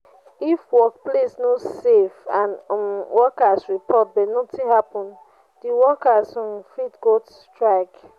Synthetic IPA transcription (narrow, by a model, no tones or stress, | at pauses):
ifwɔk̚plesnosefãnwɔkasɹipʰɔt̚benotiɦapɔ̃n | diwɔkasmfitɡotstɹaɪk